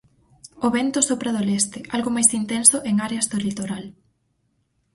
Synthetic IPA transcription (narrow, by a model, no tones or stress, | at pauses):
oβɛnt̪osopɾɐðolɛst̪eʔalɣomajsint̪ɛnsoʔeŋaɾeazðolit̪oɾal